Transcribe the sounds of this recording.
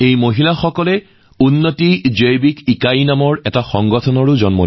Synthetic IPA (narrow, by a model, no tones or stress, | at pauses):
ejmoɦilaxɔkɔlɛ | unːotizɔjbikikajnamɔɹɛtaxɔŋɡɔtʰɔnɔɹʊzɔnmɔ